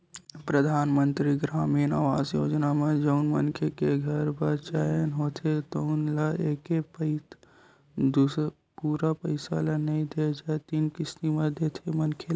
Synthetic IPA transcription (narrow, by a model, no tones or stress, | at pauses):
pɾəd̪ʱaːnmə̃nt̪ɾiɡɾaːmiːna̰ːʋaːzjoːd͡ʒnamẽd͡ʒɔʊnmənkʰekeɡʱɐɾbɐt͡ʃaːjənɦoːt̪ʰet̪onlaeːkepɪ | d̪u | puːɾapəɪsa̰lanɐɦĩd̪ed͡ʒaːet̪iːnkɪst̪imẽd̪ʱeːt̪ʰemɐnkʰel